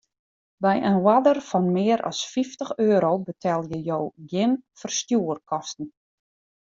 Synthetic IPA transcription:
bɛjʔənwadərfɔnmɪːɾʔɔ̰sfiftəxøːɾowbətʰɛlˠjəjowɡjɪnfərstjuərkʰɔstn̩

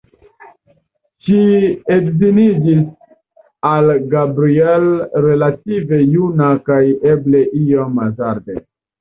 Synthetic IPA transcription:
ʃiedzinid͡ʒis | alɡabɾielɾe̞lative̞junakaje̞ble̞ʔiomazaɾde

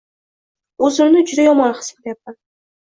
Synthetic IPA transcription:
ɵzɪmnɪd͡ʒʊd̪ajɒmɒnχɨ̥spt̪jap̚t̪ɪ

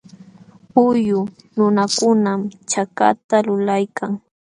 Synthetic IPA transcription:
ʊjʊ | nʊnakʊnamt͡ʃaka̰t̪alʊlajkʰaŋ

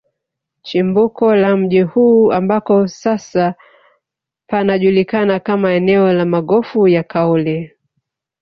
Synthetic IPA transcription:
t͡ʃimbukɔlam̩ʄihuːambakɔsasa | panaʄulikanakamaɛnɛɔlamaɠɔfujakaɔlɛ

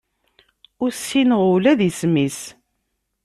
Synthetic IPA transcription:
ʊɾsːinəʁulæðismis

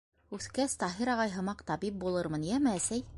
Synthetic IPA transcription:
ʉθkæst̪ɑɦiɾɑʁɑjɦɤ̆mɑqt̪ɑbip̚bulˠɤɾmɤnjæmɘæsæj

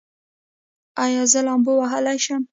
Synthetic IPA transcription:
ajɑzəlɑmbowaɦəlajʃam

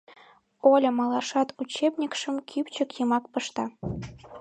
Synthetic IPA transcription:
olʲɤ̆mɑlˠɑʂɑt̪ut͡ɕebnʲikʂɘ̆mkʲʰypʲt͡ɕɘ̆kjɤmɑkpɤ̆ʂt̪ɑ

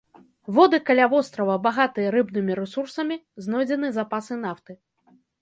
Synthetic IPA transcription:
vɔd̪ɨkalʲavɔst̪ɾɐvɐbaɣat̪ɨjɐɾɨbnɨmʲiɾɛsursɐmʲiznɔjd͡zʲɛnɨzapasɨnaft̪ɨ

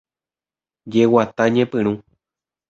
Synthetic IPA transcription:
d͡ʒewat̪aɲẽpɨ̃ɾ̃ũ

